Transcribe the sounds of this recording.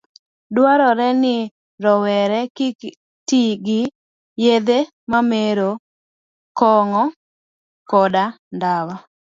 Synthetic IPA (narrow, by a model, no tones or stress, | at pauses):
dwaɾɔɾɛnɪ | ɾɔwɛɾɛk | tiɡɪ | jed̪e | mameɾo | kɔŋɔ | kɔda | ndawa